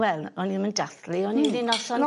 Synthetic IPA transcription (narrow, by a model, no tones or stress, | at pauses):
wɛlˠɔninməndaθliɔnininɔsɔnɔ